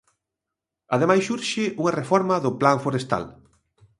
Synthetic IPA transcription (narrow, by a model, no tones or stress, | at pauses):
aðemajssuɾʃɪʔuŋɐrefɔɾmɐðʊplaɱfoɾest̪a̰l